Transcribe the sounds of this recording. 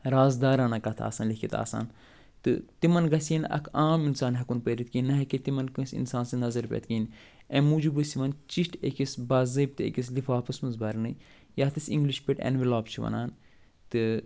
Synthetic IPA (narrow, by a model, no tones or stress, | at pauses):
ɾaːzd̪aːɾaːnɐkɐt̪ʰa̰ːsaːnlikʰit̪a̰ːsa̰ːn | t̪ɨt̪imɐnɡɐsinɐ̰kʰaːminsaːnɦɐkunpɐɾit̪̚kinːɐɦeket̪imɐnkɨ̃sḭnsaːnsɨnɐzɐɾpʲḛt̪kiːn | ẽmuːd͡ʒubɨsiʋɐnt͡ʃiʃʈḛkisbaːzɐb̚t̪ɨḛkis̬lifaːpɨsmɐnzbɐɾnɨ | jat̪ɨsḭ̃ŋɡliʃpʲeʈɐ̰nʋilaːbt͡ʃʰiʋɐ̰naːn | t̪ɨ